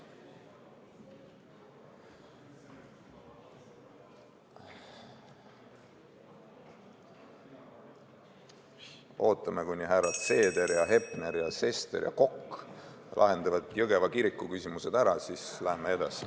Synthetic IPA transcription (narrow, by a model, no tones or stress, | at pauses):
o̞ːt̪ːˑɑme̞kuɲnʲːiɦæɾɑt̪se̞ːd̪e̞ɾjɑɦe̞pneɾjɑse̞st̪e̞̰ɾjɑ̰ko̞kː | lʔɑ̰ɦe̞nd̪̥ɑvɑd̪̥jɤɡevɑkiɾikːˑukysʲimuse̞d̪̥æɾɑsislæhmee̞d̪̥ɑ̰si̥